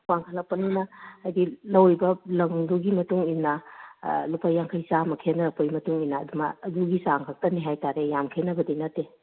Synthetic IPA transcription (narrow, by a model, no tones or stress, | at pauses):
waŋkʰɐlɐk̚pːɐninɐhajdilɐwjbɐlɐŋduɡimɐtuŋinːɐ | lupajːaŋkʰɐjsamɐkʰenɐɾɐpojmɐtuŋinaːdumaːduɡisaŋkʰak̚tɐniɦajtaɾejamkʰenɐbɐdinɐtːe